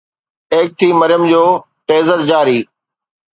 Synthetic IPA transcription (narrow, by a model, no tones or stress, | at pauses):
eːk̚t̪ʰiːməɾɪjəmd͡ʑoː | ʈeːzəɾd͡ʑaːɾiː